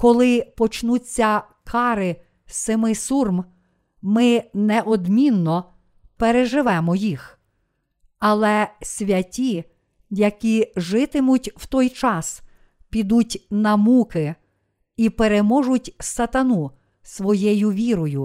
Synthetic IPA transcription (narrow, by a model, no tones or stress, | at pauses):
kɔlˠɪpɔt͡ʃnut͡sʲːɐ | kʰɑɾɪ | sɪmɪsurm | mɪnɛʔɔd̪mʲinːɔ | peɾeʒɪʋɛmɔjix | ɐlˠɛsʲʋʲɐtʲi | jɐkʲiʒɪt̪ɪmʊtʲw̥t̪ɔjt͡ʃɑs | pʲid̪utʲnɐmukɪ | ipeɾemɔʒʊtʲsɐt̪ɐnu | sʋɔjejʊʋʲiɾɔjʊ